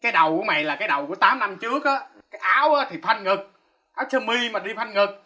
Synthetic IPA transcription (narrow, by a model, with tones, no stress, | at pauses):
kaː˨˦jɗə˨˩wku˧˩˦əma̰˧˨laː˨˩kaː˨˦jɗə˨˩wku˧˩ət̪aː˨˦mna˧mt͡ɕɨ˦˥ək̚ʔaː˨˦kaː˦jʔaː˨˦wʔaː˨˦t̪ʰi˨˩fʰa˧jŋ̟ŋɨ˨˩k̚ | ʔaː˨˦wt͡ɕʰəː˧mi˧maː˨˩ɗi˧fʰa˧jŋ̟ŋɨ˨˩k̚